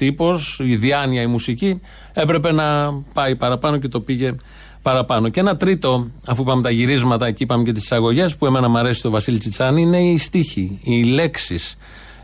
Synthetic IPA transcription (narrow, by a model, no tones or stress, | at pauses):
t̪ipo̞siðiɐniɐimusici | e̞pɾe̞pe̞nɐpɐipɐɾɐpɐno̞ce̞t̪o̞piʝe̞ | pɐɾɐpɐno̞ce̞nɐt̪ɾit̪o̞ɐfuipɐmet̪ɐʝiɾizmɐt̪ɐcipɐmece̞t̪isi̥sɐɣo̞ʝe̞spue̞me̞nɐmɐɾe̞si̥st̪o̞vɐsilt͡sit͡sɐniine̞ːst̪içiile̞ksis